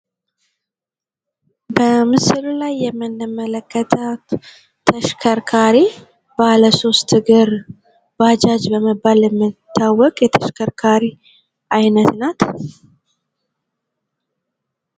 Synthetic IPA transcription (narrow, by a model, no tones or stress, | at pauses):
bəmɨsɨllajːɛmːɨnːɨmːələkʰːət̪ʰə | t̪ʰəʃkʰəɾkʰaɾi | baləso̞st̪ɡɨɾ | bad͡ʒad͡ʒbəməbːaljɛmːɨt̪ʰːawːɔkʼjɛt̪ʰəʃkʰəɾkʰaɾi | ʔajnət̪nat̪